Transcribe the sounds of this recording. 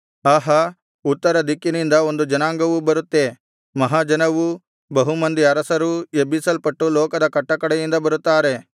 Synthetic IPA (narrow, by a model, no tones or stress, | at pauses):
aːɦɐ | ut̪ːɐɾɐd̪ikːinind̪ɐo̞nd̪ud͡ʒɐnaːŋɡɐʋubɐɾut̪ːe | mɐɦaːd͡ʒɐnɐʋu | bɐɦumɐnd̪iɐɾɐsɐɾuebisɐlpɐʈːulɔːkɐd̪ɐkɐʈːɐkɐɽɛjind̪ɐbɐɾut̪ːaːɾe̞